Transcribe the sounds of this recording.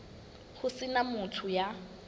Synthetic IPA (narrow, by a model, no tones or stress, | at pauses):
hʊsɪnamʊtʰʊja